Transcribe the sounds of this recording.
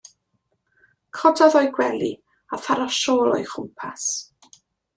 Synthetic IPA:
kʰɔdɔðɔjɡwɛlḭ | aθaɾɔʃɔːlˠɔ̰jχʊmpʰas

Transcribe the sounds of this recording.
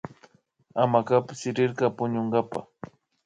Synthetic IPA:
amakapsɪɾɪɾɢɑpʊɲoɴɢɑpa̰

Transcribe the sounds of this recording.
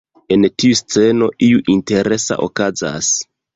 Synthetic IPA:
e̞ntiust͡se̞no̞ʔiuʔinte̞ɾʔe̞sa̰ʔo̰kaza̰s

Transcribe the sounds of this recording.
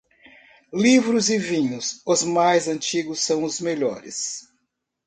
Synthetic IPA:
livɾʊzɪvĩɲʊsʊzmajzɐ̃nt͡ʃiɡʊsːɐ̃w̃ʊzmeʎɔ̰ɾɪ̰s

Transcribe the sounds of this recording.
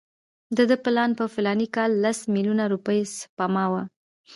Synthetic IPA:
d̪əd̪əplɑnpəfɪlɑnikɑlːasmilunaɾupəjspɑmɑwa

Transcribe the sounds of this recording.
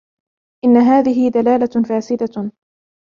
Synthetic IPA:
ʔɪnːaɦaːðɪɦɪd̪alaːlafaːsɪd̪a

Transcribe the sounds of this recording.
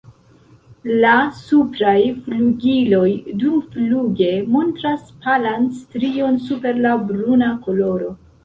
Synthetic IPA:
lasupɾajfluɡilo̞jdumfluɡe̞mo̞ntɾaspalanstɾio̞nsupe̞ɾlabɾunako̞lo̞ɾo̞

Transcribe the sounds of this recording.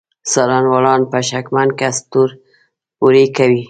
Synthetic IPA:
sɑɾanwɑlɑnpaʃakmand̪kast̪uɾ | uɾekawi

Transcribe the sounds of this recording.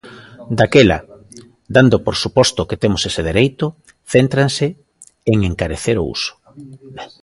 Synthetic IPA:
d̪akela̰ | d̪and̪opoɾsupɔst̪ʊket̪emʊseseð̞eɾejt̪ʊ | θent̪ɾansɪ | eŋeŋkaɾeθeɾo̰ṵsʊ̥

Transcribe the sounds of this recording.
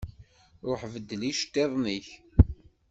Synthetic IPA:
ɾˤoħvəd̪ːliʃt̪ːeðˤniç

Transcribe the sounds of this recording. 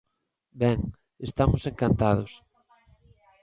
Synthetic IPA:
bɛŋ | est̪amʊseŋkant̪að̞ʊs

